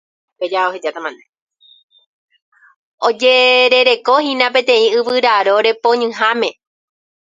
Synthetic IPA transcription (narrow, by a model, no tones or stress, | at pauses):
ped͡ʒaohed͡ʒat̪amãne | od͡ʒeɾe̞ɾe̞ko̞hĩnãpẽ̞t̪ẽ̞ĩɨʋɨɾaɾo̞ɾe̞põ̞ɲɨ̃ɦamẽ̞